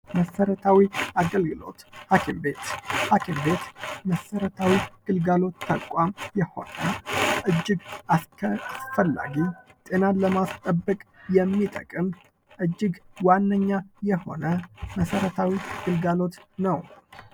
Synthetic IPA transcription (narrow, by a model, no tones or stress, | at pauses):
məsəɾət̪ʰawiaɡəlɡɨlo̞̰t̪hakʰimbe̞t̪hakʰimbe̞t̪məsəɾət̪ʰawiɡ̥ɨlɡalo̞t̪ːakʷʼwamjɛho̞̰nəʔɨd͡ʒːɪɡaskʰəasfəlːa̰ɡit̪ʼe̞naləmast̪ʼəbːəkʼjɛmːit̪ʼə̰kʼɨm | ʔɨd͡ʒːɪɡwanːəɲːajɛho̞̰nəməsəɾət̪ʰawiɡ̥ɨlɡalo̞t̪nəw